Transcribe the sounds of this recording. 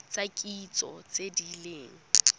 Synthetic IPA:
t͡sʼakʼit͡sʼɔ̰t͡sedileːŋ̩

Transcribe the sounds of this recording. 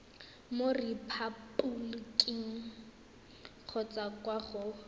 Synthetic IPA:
moripʰapʼulkʼiŋ̩ | q͡χʰɔt͡sʼakʼwaχʊ

